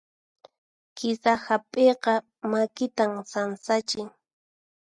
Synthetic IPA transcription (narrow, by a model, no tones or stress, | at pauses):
kɪsahapʼeqɑ | makɪt̪amsansat͡ʃɪŋ